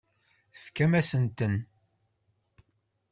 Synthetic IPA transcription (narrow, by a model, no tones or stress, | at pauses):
θə̥fkæmæsənt̪ən